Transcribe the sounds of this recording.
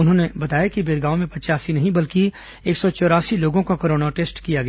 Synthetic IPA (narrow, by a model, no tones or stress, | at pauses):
ʊnɦõnebɐt̪aːjakibeːɾɡaːomẽpɐt͡ʃaːsinɐɦĩbɐlki | eːksɔt͡ʃɔːɾaːsiloːɡõkakɐɾoːnaʈeːsʈkijaɡɐjaa